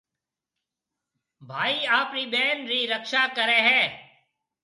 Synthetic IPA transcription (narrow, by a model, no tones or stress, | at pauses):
bʱaːiːaːpɾiːɓeːnɾiːɾəkʃaːkəɾeːɦɛ̃ː